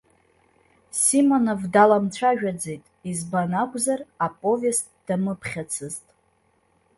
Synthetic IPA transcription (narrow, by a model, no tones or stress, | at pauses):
simonovdalamt͡ʃʷʰaʒᶣad͡zejtʼizbanakʷʼzarapʼo̞ves | d̥amɨpʰχʲat͡sʰɨztʼ